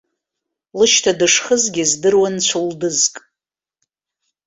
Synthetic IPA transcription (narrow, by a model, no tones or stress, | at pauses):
lɨʃtʰadɨʂχəzɡʲɪzdɨrwant͡ɕʷʰuldɨzkʼ